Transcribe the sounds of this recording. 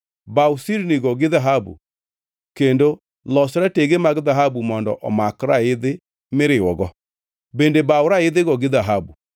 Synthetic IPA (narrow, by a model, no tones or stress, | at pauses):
bausiɾniɣɔɣeðaɦabṵ | kendo | lɔsɔɾɛteɣemaɣeðaɦabumɔndɔ̰ʔɔ̰makɾaeðe | meɾewɔɣɔ | bendebaoɾaeðeɣɔɣeðaɦabu